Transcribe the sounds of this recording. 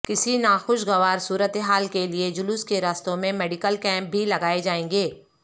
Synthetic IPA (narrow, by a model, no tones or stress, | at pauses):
kɪsinaːxʊʃɡɐʋaːɾsuːɾət̪eɦaːlkelied͡ʒʊluːskeɾaːst̪õmẽmɛːɖɪkəlkɛ̃ːmp̚bʱilɐɡaːed͡ʒaːẽːŋɡeː